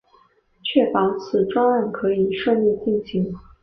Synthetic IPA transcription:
t͡ɕʰɥɛ˥˩pɑ˧˥ʊt͡sʰɹ̩˨˩ʈ͡ʂwɑ˥ŋa˥˩nkʰɤ˧˥i˨˩ʂɤ˥˧li˥˧t͡ɕi˥˩nɕi˧˥ŋ

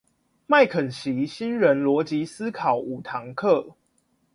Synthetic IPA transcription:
ma˥˨ɪkʰə˨˩nɕi˨˦ɕi˦nɻə˨˦nlwɔ˧˦t͡ɕi˨˦s̩˦kʰɑ˨˩ʊu˨˩t̪ʰɑ˧˦ŋkʰɤ˥˨

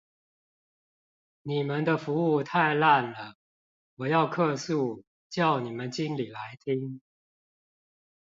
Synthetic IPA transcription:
ni˨˩mə˨˦nd̪ə˧fu˧˥u˥˧t̪ʰa˥˧ɪla˥˨nlə˩ | wɔ˨˩jɑ˥˧ʊkʰɤ˥˧su˥˨ | t͡ɕjɑ˥˩ʊni˨˩mə˦nt͡ɕi˦nli˨˩la˧˦ɪt̪ʰi˦˥ŋ

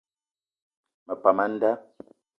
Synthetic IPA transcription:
mə˨pa˨ma˦n̩˦da˦

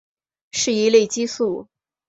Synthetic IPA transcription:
ʂɻ̩˥˩i˧˥le˥˩ɪt͡ɕi˥su˥˩

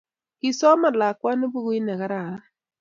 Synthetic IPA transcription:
kɪ˨sɔ˦ma˨la˨kwa˦nʊ˦bu˦ɣu˦i˦nɛ˨ka˦ɾa˨a˦

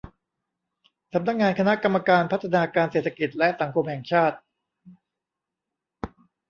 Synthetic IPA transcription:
sa˩˦mna˦˥k̚ŋaː˧nkʰa˧na˦˥ka˧mːa˧kaː˧npʰa˦˥t̪ʰːa˧naː˧kaː˧nse˨˩t̪ʰːa˧˥ki˨˩t̪̚lɛ˦˥ʔsa˩˦ŋkʰo˧mhɛ˨˩ŋt͡ɕʰaː˥˩t̪̚

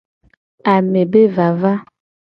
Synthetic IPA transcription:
a˨me˨be˦va˨va˦

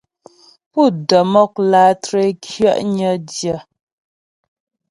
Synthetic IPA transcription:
pu˦˨də˨mɔ˦˨k̚laː˨˦tɾe˦kʰɥə̰˦˨ʔɲə˦djə˨

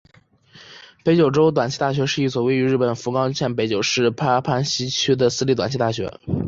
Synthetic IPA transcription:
pe˧˥ɪt͡ɕjo˨˩ʊʈ͡ʂo˥ʊt̪̬wa˨˩nt͡ɕʰi˥t̪a˥˩ɕ̬ɥɛ˧˥ʂɻ̩˥˧i˥˩swɔ˨˩we˥ɪy˧˥ɻ̩˥˩pə˨˩nfu˧˥kɑ˥ʊt͡ɕʰjɛ˥˩npe˧˥ɪt͡ɕjo˨˩ʊʂɻ̩˥˩pʰa˥pʰa˥nɕi˥t͡ɕʰy˥d̪ə˨sɹ̩˥li˥˩t̪wa˨˩nt͡ɕʰi˥˧t̪a˥˩ɕɥɛ̰˧˥

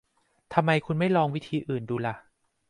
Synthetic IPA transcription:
t̪ʰa˧mːa˧jkʰu˧nma˥˩jlɔː˧ŋwi˦˥t̪ʰiː˧ʔɯː˨˩nduː˧la˧˩ʔ

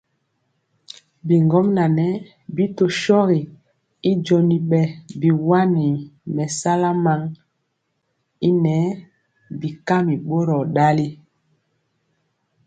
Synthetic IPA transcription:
bi˨ŋɡɔ˦mna˨nɛ˨˦ | bi˦to˨ʃɔ˦ɣi˨ | i˦d͡ʒo˨ni˨ɓɛ˨bi˨wa˦ni˨mɛ˨sa˦la˦ma˦ŋ | i˦nɛ˨˦ | bi˨ka˦mi˨ɓo˦ɾɔ˨ɗa˦li˦

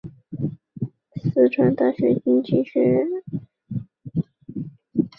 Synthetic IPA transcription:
sɹ̩˥˩ʈ͡ʂʰwa˧˥nt̪a˥˩ɕɥɛ˧˥t͡ɕi˥ŋt͡ɕi˥˩ɕɥɛ˧˥ɻə˥n

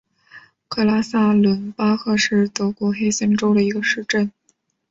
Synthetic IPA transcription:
kʰɤ˥˩la˥sa˥lwə˧˥npa˥xɤ˥˧ʂɻ̩˥˩t̪ɤ˧˥kwɔ˧˥xe˥ɪɕɛ˥nʈ͡ʂo˥ʊd̪ə˨i˧˥ɡə˧ʂɻ̩˥˧ʈ͡ʂə˥˩n

